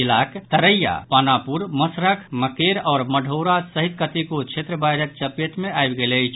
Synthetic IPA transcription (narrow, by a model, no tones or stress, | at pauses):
ilakt̪əɾəjːa̰panapuɾməsɾəkʰməkeɾɔːɾməɖʱowɾasəɦit̪̚kət̪ikot͡ʃʰet̪ɾəbajɾək̪̚t͡ʃəpeʈ̪meajbɡeləjt͡ʃʰ